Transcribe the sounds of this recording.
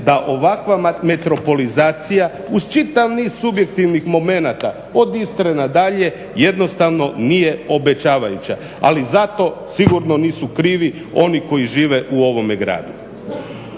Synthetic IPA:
d̪aʔo̞ʋakʋame̞t̪ɾo̞po̞lizaːt̪sija | uz̥t͡ʃit̪aʋniːz̥subje̞kt̪iʋnixmo̞me̞nat̪a | o̞d̪ist̪ɾenad̪aʎe̞ | jed̪no̞st̪aʋno̞nije̞o̞be̞t͡ʃaːʋajut͡ɕa̰ | a̰lizat̪o̞siɡuɾno̞niːsukɾiːʋi | o̞niko̞iʒiːʋe̞ʔuo̞ʋo̞meɡɾa̰ːd̪u

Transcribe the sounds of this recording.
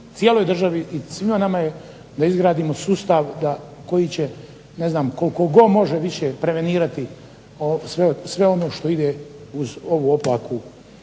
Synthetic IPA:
t̪ijeloːjd̪r̩ʒaʋiisʋimonamaje | d̪aizɡɾaːd̪iːmo̞suːst̪aʋd̪ako̞jit͡ɕe | ne̞znaːmkolko̞ɡo̞mo̞ʒeʋiʃeːpɾe̞ʋe̞niːɾat̪i | osʋesʋe̞o̞no̞ːʃt̪o̞id̪eːuzo̞ʋuːoplaːku

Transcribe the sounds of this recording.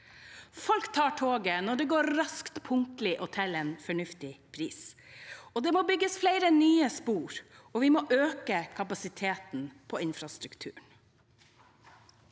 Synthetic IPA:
fɔlkt̪ʰɑːʈʰoːɡənɔɖɛɡoːɾɾɑskt̪pʰʊŋk̪lɪʔʊt̪ʰɛleːnfɔɳʉft̪ɪpʰɾiːs | ɔd̪ɛːmoːbʏɡəsflæɪɾənyːəspuːɾɔʋɪmoːʔøːkəkʰɑpɑsɪt̪ʰeːt̪npʰɔɪnfɾɑst̪ɾʉkt̪ʰʉ̰ːɳ

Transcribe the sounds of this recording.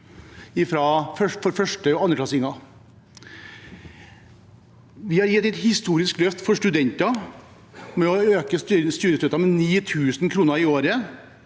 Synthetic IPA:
ɪfɾɑfœfɔɾfœʂʈəɑnːəklɑsɪŋɑ | ʋɪhɑɾjɛɛt̪ːɛt̪hɪst̪uːɾɪsklœft̪fɔʂʈʉd̪ɛnt̪ɑ | mɛɔøːkəst̪yːɾəst̪œt̪ɑmɛniːt̪ʰʉːsnkʰɾuːnəɾɪoːɾə

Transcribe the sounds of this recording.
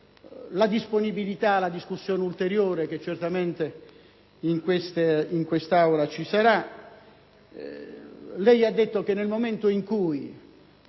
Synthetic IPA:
lad̪isponibilit̪alad̪iskusːjoːneult̪eɾjoːɾek̟et͡ʃːert̪ament̪e | iŋkwest̪eiŋkwest̪awɾat͡ʃisaɾa | lɛjad̪ːet̪ːok̟enːelmoment̪oiŋkuj

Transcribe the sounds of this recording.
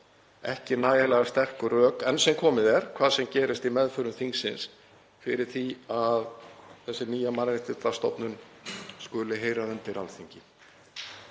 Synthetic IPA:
ɛ̰hcɪnaːjalɛɣast̪ɛr̥kʏrœːkɛnsɛmkʰɔːmɪðɛɾ̥kʰv̥aːðsɛmcɛːɾɪst̪imɛðfœɾʏmθiŋsːɪns | fɪɾɪɾ̥θiaðθɛsːɪniːjamaɾɾɪht̪ɪt̪ast̪ɔ̰wpnʏn | skʏːlɪɦeːjɾaðʏnt̪ɪɾalθiɲcɪ

